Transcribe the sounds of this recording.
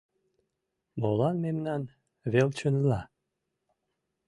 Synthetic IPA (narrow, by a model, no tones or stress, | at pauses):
molˠanmemnan | velt͡ʃʰənla